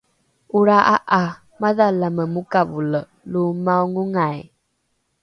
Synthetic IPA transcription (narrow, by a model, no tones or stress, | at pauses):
uɾaʔaʔa | maðalaməmukavulə | lumawŋuŋaj